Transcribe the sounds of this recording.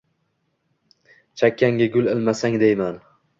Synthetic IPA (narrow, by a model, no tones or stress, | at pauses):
t͡ʃʰakʲʰːaŋɡʲaɡʲʊlɪlmasaŋd̪ejman